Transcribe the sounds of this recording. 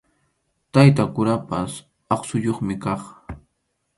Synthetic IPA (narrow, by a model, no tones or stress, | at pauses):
t̪ajt̪akʊɾapas | ɑχsʊʎoχmɪkɑχ